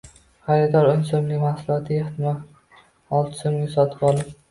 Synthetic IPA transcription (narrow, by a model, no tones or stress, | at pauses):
χaɾɪd̪ɒɾʊnsomlɪmahsʊlˠɒt̪ʰɪeht̪ʰɪmɒ | ɒlˠt̪ʰɪ̥somɡʲasɒt̪ʰɪ̥pɒlˠɪp̚